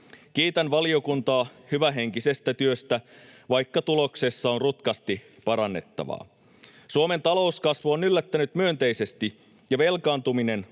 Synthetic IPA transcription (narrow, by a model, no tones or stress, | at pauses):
k̟iːt̪ænʋɑlio̞kunt̪ɑːhyʋæɦe̞ŋkise̞st̪æt̪yøst̪æʋɑjkːɑt̪ulo̞kse̞sːɑo̞nrut̪kɑst̪i | pɑɾɑnːe̞̰t̪ːɑ̰ʋɑ̰ː | suome̞nt̪ɑlo̞uskɑsʋuonylːæt̪ːænyt̪myø̞nt̪e̞jse̞st̪i | jɑʋe̞lkɑːnt̪umine̞n